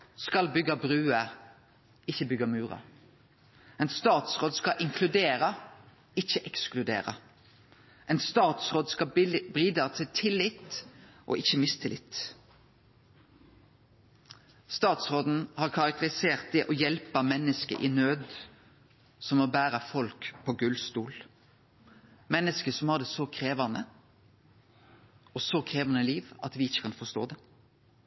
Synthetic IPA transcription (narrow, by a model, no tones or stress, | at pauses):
skɑlbʏɡɑbʁʉːə | ɪçəbʏɡɑmʉːʁɑ̰ | ɛɪnst̪ɑːt̪sʁoːd̪skɑʔɪŋkʰlʉd̪eːɾə | ɪçəʔɛksklʉd̪ḛːʁə̰ | ʔɛɪnst̪ɑːt̪sʁoːd̪skɑbʁiːd̪ɑt̪ʰɪlt̪ʰɪlːɪt̪ʔo̰ːʔɪçəmɪst̪ʰɪlɪ̰t̪ | st̪ɑːt̪sʁoːd̪n̩hɑʁkʰɑɾɑk̚t̪əɾɪseːʁt̪̚d̪ɛʔɔjɛlpəmɛnːəskə̰ʔɪnøːd̪ | sɔmɔbæːɾəfɔlkpʰɔɡʉlst̪uːl | mɛnːəskəsɔmhɑd̪ɛsɔkʰʁeːʋɑnə | ɔsɔkʰʁeːʋɑnəliːʋʔɑ̰t̪ʋɪɪçːə̥kʰɑnfɔʁst̪o̰ːd̪ɛ